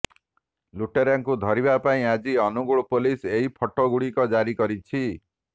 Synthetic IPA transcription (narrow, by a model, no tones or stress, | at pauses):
luʈeɾaŋkud̪ʱɔɾibapaĩad͡ʒiɔnuɡuɭɔpoliseɦipʰɔʈɔɡuɽikɔd͡ʒaɾikɔɾit͡ʃʰi